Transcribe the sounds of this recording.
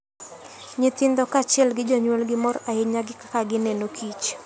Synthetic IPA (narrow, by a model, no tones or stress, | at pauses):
ɲɪt̪ɪnd̪ɔkat͡ʃɪɛlɡɪd͡ʒoɲwɔlɡɪmɔɾaɪɲaɡɪkḁkaɡɪnenokʰit͡ʃ